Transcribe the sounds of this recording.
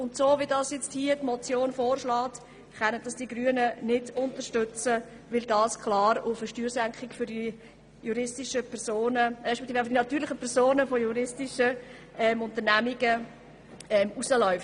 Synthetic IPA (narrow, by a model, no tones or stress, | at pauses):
ʊntsoːʋidɑːsjɛt͡sthiətmɔt͡sjoːnfoːɾʃlɑːt | χɛnədɑsd̥iɡɾyːənənɪdʊntəɾʃtʏt͡sə | ʋɪldɑːskʰlɑːɾʊfəʃtyːɾsæŋkχɪkfʏdi | juɾɪstɪʃəpʰɛɾsoːnəɛʃpɛt̪iffd̥inɑtyːɾlɪχəpʰɛɾsoːnəfojuɾɪstɪʃə | ʔɛmʊntənæmiɡə | ɛmusəlɔʏft